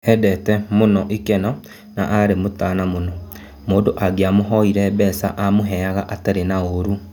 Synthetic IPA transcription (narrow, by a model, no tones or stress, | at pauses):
ɛdɛtɛmonɔʔekɛnɔ | na̰ʔaɾemotaːnamonɔ | moːndoʔaɡeamoɦɔiɾɛbɛsa̰ʔamoɦɛaɣaʔataɾenaoɾu